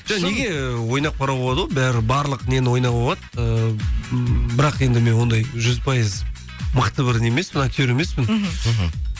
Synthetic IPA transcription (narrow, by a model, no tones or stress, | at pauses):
ʒ̥ɑne̞ɡʲe̞wo̞jnɑq̚pʰɑɾɑbolˠɑd̪əwobæɾɪbɑɾlˠəqne̞nɪwo̞jnɑolˠɑt̪ə | bɪɾɑqje̞nd̪ɪme̞nwo̞nd̪ɑjʒʏzpʰɑjəz | məqt̪əbɪɾɪne̞me̞smənɑk̪ʲʰeɾe̞me̞spɪn